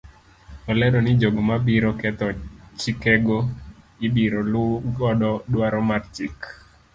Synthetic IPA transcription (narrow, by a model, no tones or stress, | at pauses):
ɔlɛdɔnɪd͡ʒoɡomabiɾɔkɛt̪ɔt͡ʃikɛɡo | ɪbiɾolʊɡɔdɔdwaɾɔmart͡ʃik